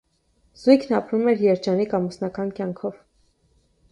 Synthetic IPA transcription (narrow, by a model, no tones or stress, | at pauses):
z̥ujkʰnɑpɾumɛɾjɛɾd͡ʒɑnikɑmusnɑkɑnkjɑŋkʰɔv